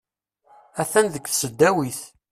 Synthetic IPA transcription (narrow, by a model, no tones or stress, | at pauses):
æθænðəkθsəd̪ːæwiθ